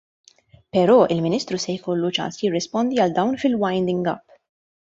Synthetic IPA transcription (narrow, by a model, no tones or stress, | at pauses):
pɛɾɔːʔɪlmɪniːst̪ɾusɛjkɔlːut͡ʃɐ̰nsjɪrːɪspɔnd̪iɐld̪ɐwnfɪlwɐjnd̪ɪ̃ŋɡɐ̰pː